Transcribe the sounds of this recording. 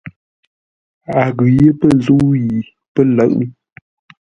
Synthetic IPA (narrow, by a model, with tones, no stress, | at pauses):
a˨ɣʉ˨je˦pə˦˨zu˦ʔji˨ | pə˦lə˨˦˨ʔ